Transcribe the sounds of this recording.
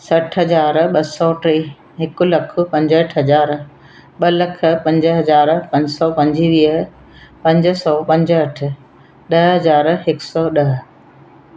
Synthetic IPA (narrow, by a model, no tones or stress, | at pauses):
sɐʈʰɦɐzaːɾɓɐsɔʈɾe | ɦɪkʊlɐkʰʊ̆pɐ̃ɲd͡ʑəʈʰɦɐzaːɾ | ɓɐlɐkʰə̆pɐ̃ɲd͡ʑɦɐzaːɾpɐ̃ɲd͡ʑsɔpɐ̃ɲd͡ʑiʋiːə | pɐ̃ɲd͡ʑsɔpɐ̃ɲd͡ʑəʈ̆ʰ | ɗɐɦɦɐzaːɾɦɪksɔːɗɐɦ̆